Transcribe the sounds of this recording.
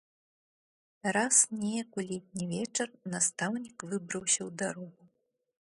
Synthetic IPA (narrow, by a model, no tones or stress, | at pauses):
ɾasnʲɛjɐkulʲit̪̚ʲnʲivʲɛt͡ʂɐrnast̪awnʲikvɨbɾɐwsʲɐwd̪aɾɔɣu